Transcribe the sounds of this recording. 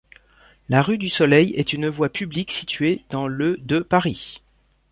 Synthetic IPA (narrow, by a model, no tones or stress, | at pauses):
laʁyd̪ysɔlɛjɛt̪ynvwapʰybliksit̪ɥed̪ɑ̃lød̪əpaʁi